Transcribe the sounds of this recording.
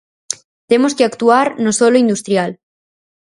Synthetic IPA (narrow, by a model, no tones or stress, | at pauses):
t̪emoskeakt̪uaɾnosoloind̪ust̪ɾjal